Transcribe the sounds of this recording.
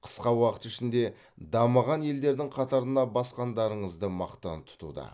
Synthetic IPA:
qʰə̥sqɑwɑqə̥t̪ɪʃɪnd̪e̞ | d̪ɑməʁɑnje̞ld̪e̞ɾd̪ɪŋqʰɑt̪ɑɾənɑbɑsqɑnd̪ɑɾəɴəzd̪əmɑqt̪ɑnt̪ʰʊ̥t̪ṵd̪ɑ̰

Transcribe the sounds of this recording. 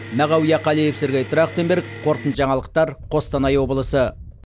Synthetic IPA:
mæʁɑwijɑqʰɑlijepsɪɾɡʲejt̪ʰʊɾɑqt̪embeɾk̚qʰo̞ɾt̪ənʒɑɴɑlˠəq̚t̪ɑɾqʰo̞st̪ɑnɑjwo̞bəlˠəsə

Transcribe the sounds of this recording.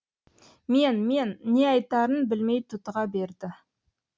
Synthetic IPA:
me̞nme̞nːe̞ɑjt̪ɑɾənbɪlme̞jt̪ʰːʊt̪ʁɑbe̞ɾd̪ɪ

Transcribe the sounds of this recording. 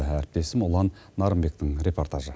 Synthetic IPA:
æɾɪp̚t̪e̞sɪmʊlˠɑnːɑɾəmbe̞k̚t̪ɪŋɾʲe̞po̞rt̪aʒə

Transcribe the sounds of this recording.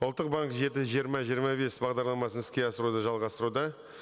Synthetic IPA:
ʊlˠt̪ːəq̚baŋkʒe̞t̪ɪʒijəɾmɑʒijəɾmɑbe̞sbɑʁd̪ɑɾlˠɑmɑsənɪskʲe̞ɑsəɾud̪əʒɑlˠʁɑst̪əɾud̪ɑ

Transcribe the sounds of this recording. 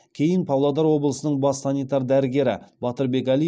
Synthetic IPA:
kʲʰe̞jɪnpʰɑwlˠɑd̪ɑɾwo̞bəlˠəsənəɴbɑssɑnijt̪ɑɾd̪æɾɪɡʲe̞ɾɪ̰b̥ɑt̪əɾbe̞kɑlʲi

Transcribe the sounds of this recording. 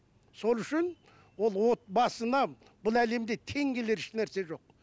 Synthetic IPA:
so̞lˠʏʃɪn | wo̞lˠwo̞t̪̚bɑsənɑ | bʊlˠæle̞md̪e̞t̪ʰe̞ŋɡʲe̞le̞ɾɪʃnæɾse̞ʒo̞q̚

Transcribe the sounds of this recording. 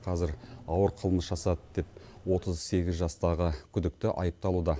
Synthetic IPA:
qʰɑzɪɾɑwəɾqʰəlˠməsʒ̥ɑsɑt̪d̪̥e̞p̚wo̞t̪əzse̞ɡʲɪzʒɑst̪ɑʁəkʲʰʏd̪ɪk̚t̪ɪʔɑ̰jəp̚t̪ɑlˠud̪ɑ

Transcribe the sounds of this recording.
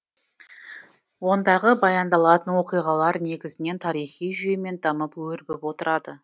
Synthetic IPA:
wo̞nd̪ɑʁəbɑjɑnd̪ɑlˠɑt̪ənwo̞qijʁɑlˠɑɾne̞ɡʲɪzɪne̞nt̪ʰɑɾijχijʒeme̞nd̪ɑməpwɵɾbɪpwo̞t̪əɾɑd̪ə

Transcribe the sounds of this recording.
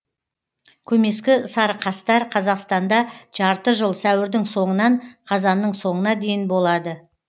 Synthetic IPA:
kʲʰɵme̞skʲɪsɑɾqʰɑst̪ɑɾqʰɑzɑqst̪ɑnd̪ɑʒ̥ɑɾt̪əʒəlˠsæwɪɾd̪ɪŋso̞ɴənɑɴqʰɑzɑnːəɴso̞ɴənɑd̪e̞jɪnbo̞lˠɑd̪ə

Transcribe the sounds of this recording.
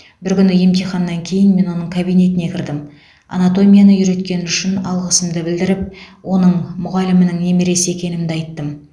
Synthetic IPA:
bɪɾkʲʏnɪje̞mt̪ijχɑnːɑŋkʲʰe̞jɪnme̞nwo̞nəɴkʰabijne̞t̪ɪne̞kʲʰɪɾd̪ɪm | a̰nat̪o̞mʲijanəjʏɾe̞t̪kʲe̞nɪʏʃɪnɑlˠʁəsəmd̪əbɪld̪ɪɾɪp̚wo̞nəɴmʊʁɑlɪmɪnɪŋne̞meɾe̞se̞kʲe̞nɪmd̪ɪɑjt̪ːəm

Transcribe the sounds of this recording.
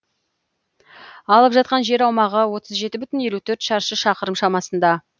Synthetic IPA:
ɑlˠəpʒɑt̪̚qɑnʒe̞ɾɑwmɑʁəwo̞t̪əzʒe̞t̪ɪbʏt̪ɪnje̞lut̪ʰɵɾt̪ʃɑɾʃəʃɑqəɾəmʃɑmɑsənd̪ɑ

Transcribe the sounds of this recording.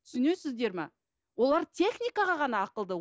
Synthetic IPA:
t̪ʰʏ̥sɪne̞sɪzd̪e̞ɾmɑ̰ | wo̞lˠɑɾt̪ʲʰe̞χnʲijkɑʁɑʁɑnɑːqəlˠd̪ə

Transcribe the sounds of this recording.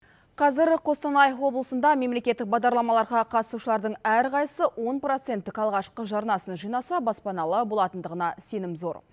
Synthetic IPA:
qʰɑzɪɾqʰo̞st̪ɑnɑjəfwo̞blˠəsənd̪ɑme̞mle̞kʲe̞t̪ːɪk̚bɑʁd̪ɑɾlˠɑmɑlˠɑɾʁɑqʰɑt̪əsuʃəlˠɑɾd̪əɴæɾqʰɑjəsəwo̞npro̞t̪se̞nt̪ːɪkɑlˠʁɑʃqəʒɑɾnɑsənʒijnɑsɑbɑspɑnɑlˠəbo̞lˠɑt̪ənd̪əʁənɑse̞nɪmzo̞ɾ

